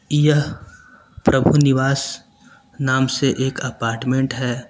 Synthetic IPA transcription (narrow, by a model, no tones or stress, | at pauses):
jəɦ | pɾɐbʱunɪʋaːs | naːmseʔeːkɐpaːɾʈmẽɳʈɦɛː